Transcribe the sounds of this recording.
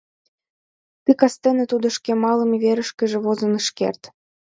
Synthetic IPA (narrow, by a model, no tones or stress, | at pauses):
t̪ikɑst̪enĕt̪ud̪ŏʃkemɑlə̆meβeɾə̆ʃkə̆ʒĕβozə̆nə̆ʃkḛrt̪